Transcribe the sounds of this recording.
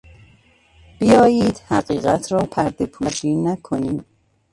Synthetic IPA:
b̥ijɒːjiːd̪̥hæɣiːɣæt̪ʰɾɒːpʰæɾd̪epʰuːd͡ʒiːnækʰo̞niːm

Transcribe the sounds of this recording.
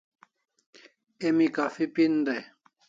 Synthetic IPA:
emikafipin̩dɛ

